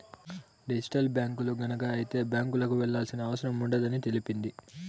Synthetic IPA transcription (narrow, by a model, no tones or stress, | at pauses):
ɖid͡ʒi̥ʈɐlbjaːŋkuluɡɐnɐkɐːjit̪e̞ːbjaːŋkulɐkuʋɛɭːaːlsinɐːʋɐsɐɾɐmuɳɖɐd̪ɐnit̪e̞lipind̪i